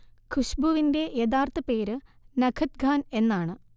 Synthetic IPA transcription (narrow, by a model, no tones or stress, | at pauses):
kʰuʂbuʋinde̞jɐðaːrt̪ɐpe̞ːɾɨnɐkʰɐt̪̚ɡʱaːne̞nːaːɳɨ